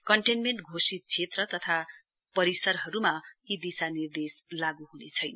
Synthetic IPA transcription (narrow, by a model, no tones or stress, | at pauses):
kʌɳʈenmeɳʈɡʱosit̪̚t͡sʰet̪rʌt̪ʌt̪ʰa | pʌɾisʌrɦʌɾumaid̪isanird̪eslaɡuɦunet͡sʰʌjnʌ